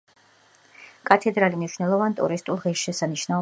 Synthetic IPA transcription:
kʼat̪ʰɛd̪ɾalimniʃunɛlˠɔvant̪ʼṵɾist̪ʼulˠʁɛʃʃɛsaniʃnaɔ

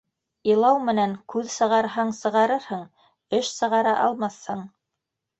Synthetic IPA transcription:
ilˠɑwmɘ̆næŋkʉðsɤ̆ʁɑɾɦɑɴsɤ̆ʁɑɾɤɾhɤɴ | ɘʃsɤ̆ʁɑɾɑʔɑlˠmɑθhɤɴ

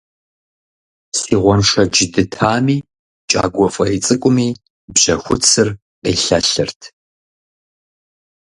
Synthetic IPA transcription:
siːʁʷɔnʂɐd͡ʒɪdɨtʰaːmiː | t͡ʃʼa̰ːɡʷɔfʼɐit͡sʼɨkʷʼʊmiː | bʑ̥ɐxʷʊt͡sʰɨr | qḭːɬɐɬɨrtʰ

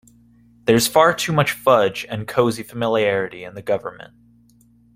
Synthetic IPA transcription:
ðə˞z̥fɑɹtʰʉmʌt͡ʃfʌd͡ʒɨ̃nkʰoʊzifəmɪlˠiɛɹɨɾiɨ̃nðɨɡʌvə˞mɨ̰̃nt̚

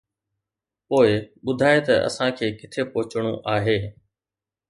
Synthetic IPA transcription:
poːɪɓʊd̪ʱaːet̪ɐʔɐ̰sãkʰeːkɪt̪ʰepʊɦɪt͡ɕɽ̃õ̰ʔaːɦeː

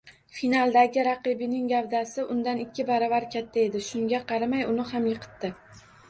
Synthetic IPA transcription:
finalˠd̪aɡʲɪɾɑqɨbɪnɪŋɡʲavd̪asɪʔʊnd̪anɪkʲːɪbaɾavaɾkʲʰat̪ʰːae̞d̪ɪʃʊŋɡʲaqɑɾamajʊnɪhamjɨqʰɨ̥t̪ːɪ

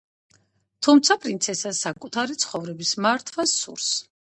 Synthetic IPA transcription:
t̪ʰumt̪sʰapʼɾint̪sʰɛsasakʼut̪ʰaɾit̪sʰχɔvɾɛbismaɾt̪ʰwasṵɾs

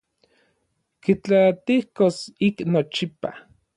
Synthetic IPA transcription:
kit͡ɬat̪ihkosiknot͡ʃipa̰

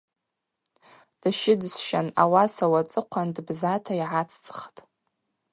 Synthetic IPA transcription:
d̥aʃɪdsʃana̰wasawat͡sʼɨqʷʰandbzatʰaiʕat͡sʰt͡sʰʼχtʼ

